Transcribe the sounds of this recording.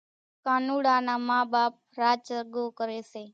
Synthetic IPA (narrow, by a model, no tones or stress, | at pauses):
kanuɽanamabaːp̚ɾaːt͡ʃəɾɡokəɾese